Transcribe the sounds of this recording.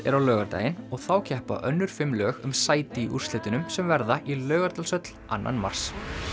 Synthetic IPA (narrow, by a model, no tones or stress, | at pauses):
ɛ̰ɾawlœːɣaɾt̪a̰ːjɪnɔɣθawcʰɛhpa̰ʔœnːʏɾ̥fɪmːlœːɣʏmsaːjt̪ɪːʔṵr̥st̪ɪt̪ɪnʏmsɛmvɛɾðaʔilœːɣaɾt̪alsœt̪l̥ʔanːa̰nma̰r̥s